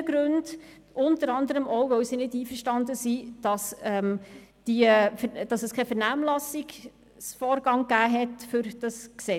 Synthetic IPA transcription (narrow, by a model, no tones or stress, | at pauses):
əɡ̥ɾʉnd | ʔʊntəɾɑndəɾəmɔʊʋœwsinɪdiːfəɾʃtɑndəsid̥ɑsɛmd̥iəfd̥ɑsɛskʰɛfəɾnæːmlɑsiɡ̥ | sfɔːɾɡ̥ɑŋɡ̥æːɦɛtfʏɾd̥ɑsksɛ